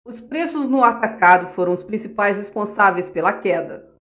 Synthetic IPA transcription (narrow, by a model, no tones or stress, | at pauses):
ʊspɾesʊznʊat̪akad̪ʊfoɾɐ̃w̃ʊspɾĩsipajshespõsavejspelɐkɛd̪ɐ